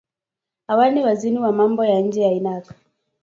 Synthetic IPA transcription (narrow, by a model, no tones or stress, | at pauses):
hawaniwaziniwamambɔjaɲ̩d͡ʒɛjainakḁ